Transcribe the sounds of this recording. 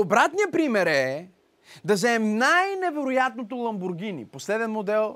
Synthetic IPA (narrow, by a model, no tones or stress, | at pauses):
obɾat̪nijəpɾimɛɾɛ | d̪ɐzɛɛmnajnɛvɛɾʊjat̪̚not̪olˠɐmbʊɾɡ̟ʲinḭposlɛd̪ɛnmod̪ɛlˠ